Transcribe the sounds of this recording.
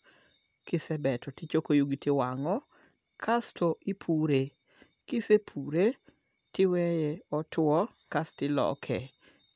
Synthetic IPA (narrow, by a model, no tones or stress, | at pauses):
kɪsɛbɛtʰɔtɪt͡ʃokojuɡitɪwaŋɔ | kʰastoʔipʰuɾe | kɪsepʰuɾe | tɪwɛjɛɔtʊɔ | kastɪlɔ̰kʰɛ̰